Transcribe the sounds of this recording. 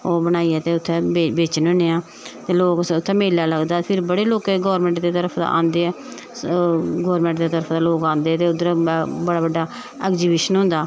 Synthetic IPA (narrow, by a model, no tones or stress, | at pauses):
oːbənaːiːɛːt̪eːʊt̪ʰːɛ̃ːbebeːt͡ʃnəneːãː | t̪eːloːkʊt̪ʰːɛːmeːlːaːləɡd̪aːpʰɪɾbəɽeːloːkeːɡɔːɾmɛ̃ːɳʈd̪eːt̪əɾəpʰd̪a̰ːʔã̰ːnd̪eːɛː | ɡɔːɾmɛ̃ːɳʈd̪eːt̪əɾəpʰd̪aːloːkãːnd̪eːɛːt̪eːʊd̪əɾbəɽaːbəɖːaː | ɛːkziːbeːʃənɦʊ̃ːnd̪aː